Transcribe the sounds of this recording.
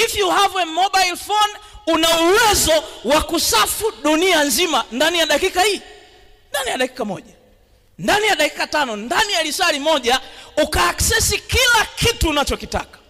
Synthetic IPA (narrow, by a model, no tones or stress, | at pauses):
hiviuhavwɛmɔɓailfɔnunauwɛzɔwakusafuɗunianzimandanijaɗakikahiː | ndanijaɗaki̥kamɔ̰ʄa | ndanijaɗaki̥katanɔndanijaɾisalimɔʄaukaːksɛsikilakituːnat͡ʃɔkita̰kḁ